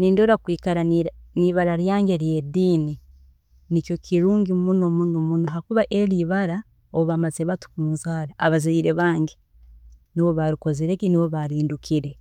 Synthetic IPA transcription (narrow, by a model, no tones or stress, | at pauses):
niːndoɾakwiːkaɾanniβaɾaɾjaːŋɟeɾje̞diːni | nicjo̞kiɾuːŋɡimunomunumunoɦakuβaʔeɾiβaɾa | oβamazeβatu̥kunzaːɾaaβazaiɾe̞βaːŋɟe | niβo̞βaɾiko̞zeɾekiniβo̞βaɾiːndukʰiɾe̞